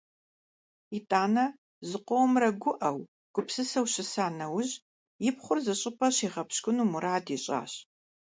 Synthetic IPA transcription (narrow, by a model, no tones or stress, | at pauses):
itʼaːnɐ | zɨqʷowmrɐɡʷʊʔɐw | ɡ̥ʷʊpsɨsɐwɕɪsaːnɐwʊʑ | jɪpχʷʊrzɨɕʼɪpʰʼɐɕiːʁɐpɕkʷʼʊnuːmuɾaːdiɕʼa̰ːɕ